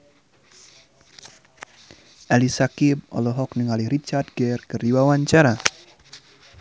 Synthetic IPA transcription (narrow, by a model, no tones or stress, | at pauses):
ʔalisakib̚ɔ̰lɔɦɔk̚nəŋaliɾit͡ʃardɡɛrkɨrdiwawaɲt͡ʃaɾa